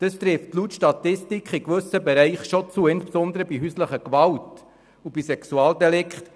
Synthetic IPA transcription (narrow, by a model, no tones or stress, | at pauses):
d̥əst̪ɾɪftlutʃtɑtɪstikχikʋɵsəbɛɾɛɪχʃɔt͡suəɪnsbsɔnd̪əɾəbiɦysləχəkʋɑwt | ub̥isɛksuɑːldɛlɪkχt